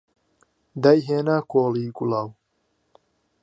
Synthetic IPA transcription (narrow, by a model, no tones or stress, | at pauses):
d̪ajɦeːnaːkʰoːliːɡulaw